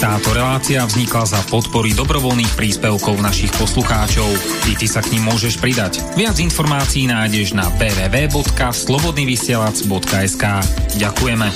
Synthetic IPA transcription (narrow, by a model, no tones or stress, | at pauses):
t̪aːt̪ɔɾɛlaːt͡siavzɲiklazapɔt̪pɔɾid̪ɔbɾɔʋɔlniːxpɾiːspɛʊkɔʊnaʃixpɔsluxaːt͡ʃɔʊ | it̪isakɲimːʊɔʒɛʃpɾid̪ac | ʋɪad͡zinfɔɾmaːt͡siiːnaːjɟɛʒnabɛːʋɛːʋɛːbɔt̪kaslɔbɔd̪niːʋisɪɛlad͡zbɔt̪kaɛskaːɟakujɛmɛ